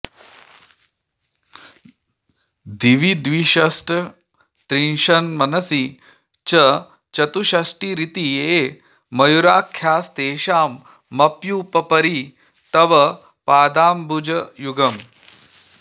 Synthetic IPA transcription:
d̪iʋid̪ʋiʃɐsʈɐ | t̪ɾinʃɐnmɐnɐsi | t͡ʃɐ | t͡ʃɐt̪uɕɐsʈiːɾit̪ie | mɐjuɾaːkʰjaːst̪eːʃaːmː | ɐpjuːpɐpɐɾi | t̪ɐʋɐ | paːd̪aːmbud͡ʒɐjuɡɐm

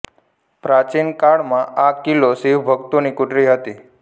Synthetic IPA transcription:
pɾat͡ʃinkaɽmãʔakːilosiʋbʱəɡt̪unikuʈɾiɦət̪i

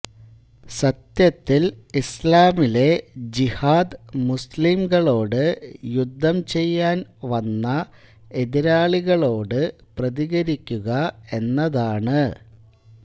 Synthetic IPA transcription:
sɐt̪jɐt̪ːilislaːmile̞d͡ʑihaːd̪ɨmuslimɡɐɭo̞ːɽɨjud̪ʱːɐmt͡ɕe̞jːaːnʋɐnːɐ | e̞ðiɾaːɭiɣɐɭo̞ːɽɨprɐðiɣɐɾikʲːuɣɐe̞nːɐðaːɳɨ

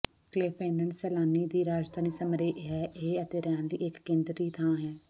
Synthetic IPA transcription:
kleːpʰẽːnəɳsɛːlaːniːd̪iːɾaːd͡ʒd̪ʱaːniːsəmɾeːʔɦɛːʔeət̪eːɾɛːnlḭːɪkːẽːnd̪ɾiːt̪ʰãːɦɛː

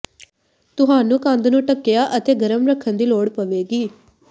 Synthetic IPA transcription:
t̪ʊɦaːnũːkə̃nd̪nũːʈəkːɪjaːʔət̪eːɡəɾəmɾəkʰːənd̪iːloːɽpəʋeːɡiː

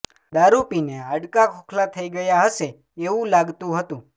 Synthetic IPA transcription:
d̪aɾupineaɖkakʰokʰlat̪ʰəiɡəjaɦəʃe | eũlaɡt̪ũɦət̪ũ

